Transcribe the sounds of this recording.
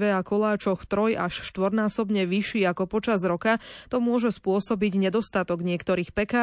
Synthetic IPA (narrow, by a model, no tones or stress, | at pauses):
ʋɛakɔlaːt͡ʃɔxt̪ɾɔjaʃʃt̪ʋɔɾnaːsɔbɲɛʋiʃiːakɔpɔt͡ʃazɾɔkat̪ɔmʊɔʒɛspʊɔsɔbiɟɲɛd̪ɔst̪at̪ɔɡɲɪɛkt̪ɔɾiːxpɛkaː